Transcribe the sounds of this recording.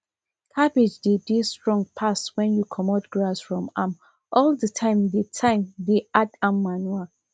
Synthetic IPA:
kʰabid͡ʒdidistɹɔ̃ŋɡ̚pʰaswɛ̃njukʰɔmɔtɡɹasfɹɔ̃mãm | ʔɔldətʰãɪ̃mditʰãɪ̃mdiatãmːanwa

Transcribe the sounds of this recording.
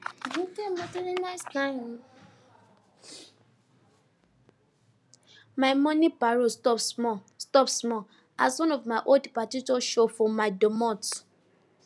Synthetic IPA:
ɡutẽmatiɾinaɪstãɪ̃m | maɪmɔ̃nipaɹostɔpsmɔ | stɔpsmɔ | a̰swɔ̃nɔvmaɪʔoldpatitɔʃofɔ̃maɪdomɔ̃t

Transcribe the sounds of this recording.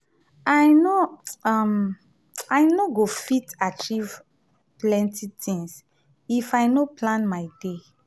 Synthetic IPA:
ajnoam | ajnoɡofitat͡ʃiv | plɛ̃ntʰitʰĩŋs | ifajnoplãnmajde

